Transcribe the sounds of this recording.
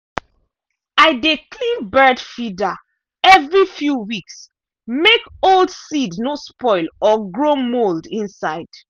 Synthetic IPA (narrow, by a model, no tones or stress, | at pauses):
aɪdeklĩnbɜdfida | ɛvɹifjuwiks | mekoldsidnospɔɪlɔɡɹomoldĩnsaɪd̥